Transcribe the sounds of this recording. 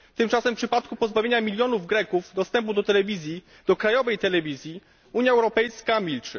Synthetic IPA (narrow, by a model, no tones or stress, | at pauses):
t̪ɘmt͡ʂasɛmpʂɘpat̪̚kupɔzbavʲjeɲamʲilʲjɔnuvɡɾɛkuvd̪ɔst̪ɛmp̬ud̪ɔt̪ɛlɛvʲizʲji | d̪̥ɔkɾajɔvɛjt̪ɛlɛvʲizʲji | uɲjaɛwɾɔpɛjskamʲilt͡ʂɘ̰